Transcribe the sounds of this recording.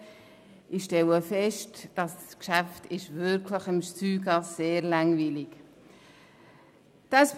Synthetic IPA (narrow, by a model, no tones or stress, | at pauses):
ɪʃtɛləfɛʃtd̥ɑskʃæftɪʃvʏɾkʰləχɪmʃt͡syːɡɑsːeːɾlaŋviːlɪk | d̥ɑs